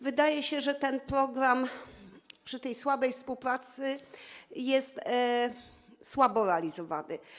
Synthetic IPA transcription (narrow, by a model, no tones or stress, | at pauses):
vɘd̪ajɛɕɛʐɛt̪ɛnpɾɔɡɾam | pʂɘt̪ɛjswabɛjfspuwpɾat̪sɘ | jɛst̪ | swabɔɾɛalʲizɔva̰nɘ̰